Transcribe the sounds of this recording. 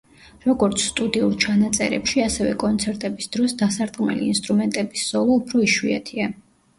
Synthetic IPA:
ɾɔɡɔɾt̪sʰst̪ʼud̪iuɾt͡ʃʰanat̪sʼɛ̰ɾɛ̰pʃiasɛvɛkʼɔnt̪sʰɛɾt̪ʼɛbisd̪̥ɾɔsd̪asaɾt̪ʼqʼmɛ̰liinst̪ʼɾumɛnt̪ʼɛbisz̥ɔlˠɔupʰɾɔiʃwia̰t̪ʰia

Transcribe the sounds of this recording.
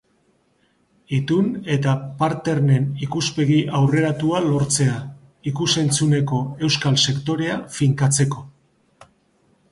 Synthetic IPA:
it̪une̞t̪apaɾt̪e̞rne̞nikuspe̞ɣiʔawre̞ɾat̪ualo̞ɾt͡se̞a | ikuse̞nt͡sune̞ko̞e̞wskalse̞kt̪o̞ɾe̞afiŋkat͡se̞ko̞

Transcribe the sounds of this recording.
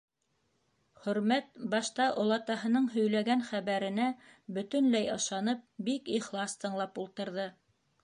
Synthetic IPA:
χɵ̆ɾmæt̪̚bɑʃt̪ɑʔŏlˠɑt̪ɑɦɤ̆nɤɴɦɵ̆jlæɡænχæβæɾɘ̆næbɵ̆t̪ɵ̆nlæjɤ̆ʃɑnɤp̚bikiχlˠɑst̪ɤ̆ɴlˠɑpulˠt̪ɤ̆ɾðɤ

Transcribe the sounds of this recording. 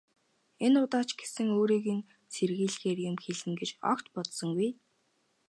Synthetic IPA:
enʊt̪aːt͡ɕɡe̥sɘ̆ŋoːɾiːɣɘ̆n | t͡sʰerɣiːɮxeːrjʊmxeɮɘ̆ŋɡet͡ɕɔ̰kt̪pɔt̪sɞ̆ŋɡuj

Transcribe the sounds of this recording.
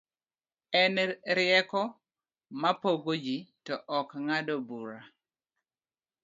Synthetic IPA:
ɛnɾɪɛkɔ | mapoɡod͡ʒitɔʔɔkŋadɔbuɾa

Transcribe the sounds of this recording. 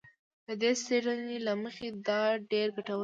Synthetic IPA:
d̪əd̪eseɽanelaməxed̪ɑɖeɾɡaʈawə

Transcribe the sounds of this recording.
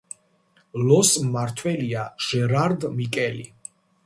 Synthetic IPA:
lɔsmːaɾt̪ʰwɛliaʒ̥ɛɾaɾd̪mikʼɛlḭ

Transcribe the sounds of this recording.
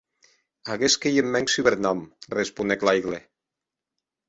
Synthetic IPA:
aɣeskejemːɛŋsiβeɾnɔmrespuneklajɣle

